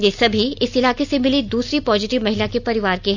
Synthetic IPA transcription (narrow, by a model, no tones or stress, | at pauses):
jeːsɐbʱiɪsɪlaːkesemɪlid̪uːsɾipɔːzɪʈɪʋmɐɦɪlakepɐɾɪʋaːɾkeɦ